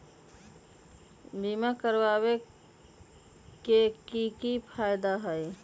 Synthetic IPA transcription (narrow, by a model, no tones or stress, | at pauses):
bimakəɾwawe | kekikipʰaɪd̪aɦəj